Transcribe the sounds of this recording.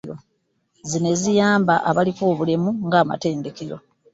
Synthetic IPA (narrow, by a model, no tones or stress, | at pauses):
ɾo | zine̞zijaːmbaʔaβalikoːβulemuŋɡaːma̰te̞ːnde̞ke̞ɾo̞̰